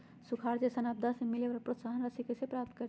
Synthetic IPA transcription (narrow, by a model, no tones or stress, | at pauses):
sukʰaːɾd͡ʒesənab̚d̪ʱasemɪleʋəɾpɾot̪saɦənɾəsikesepɾaːp̚t̪kəɾ